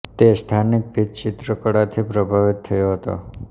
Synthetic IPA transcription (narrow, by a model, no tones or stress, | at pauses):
t̪est̪ʰanɪk̚bid̪̚t͡ʃɪt̪ɾəkəɽat̪ʰipɾəbʱaʋɪt̪ʰːəjoɦət̪o̰